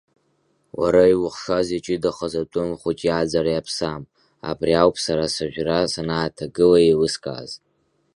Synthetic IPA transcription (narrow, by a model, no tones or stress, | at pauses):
wa̰ɾajwʊχʂazit͡ʃʼɪdaχazatʷʼʊmχʷut͡ʃʼijad͡zaɾajapʰsam | a̰briawpʰʼsaɾasaʒᶣʷrasanaːtʰaɡɨlajelɨskʼa̰z